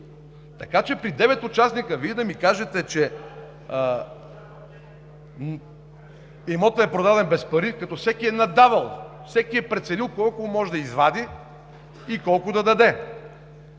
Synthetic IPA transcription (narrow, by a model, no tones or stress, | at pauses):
t̪ɐkat͡ʃɛpɾid̪ɛvɛt̪ʊt͡ʃasnikəviɛd̪ɐmikaʒɛt̪ɛt͡ʃɛ | ɛmɔt̪ɐɛpɾod̪ad̪ɛnbɛspɐɾikɐt̪ɔfsɛkiɛnɐd̪avɐlˠfsɛkiɛpɾɛt̪sɛnilˠkɔlˠkʊmɔʒɛd̪ɐizvad̪i | ikɔlˠkʊd̪ɐd̪ɐd̪ɛ